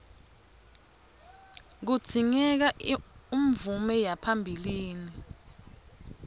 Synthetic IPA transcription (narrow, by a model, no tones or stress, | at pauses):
k̬ud̥d͡z̥ʱiŋɛk̬aim̩vumɛjapʰambʱiliːni